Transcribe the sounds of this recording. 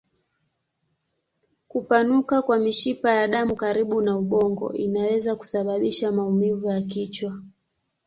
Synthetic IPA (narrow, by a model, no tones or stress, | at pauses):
kupanukakwamiʃipajaɗamukaɾiɓunauɓɔŋɡɔ̰ʔinawɛzaku̥saɓaɓiʃamaumivujakit͡ʃwa